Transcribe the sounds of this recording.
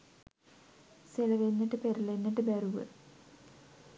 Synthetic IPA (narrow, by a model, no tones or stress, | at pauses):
silɐʋenːiʈːɨpeɾɐlenːiʈːɨbɐɾuʋɐ̰